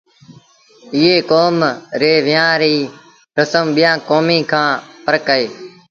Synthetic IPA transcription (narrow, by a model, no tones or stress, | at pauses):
ɪːeːkoːmɾeːʋɪjãːɾiː | ɾəsəmɓɪjãːkoːmiːkʰãːpəɾkəeː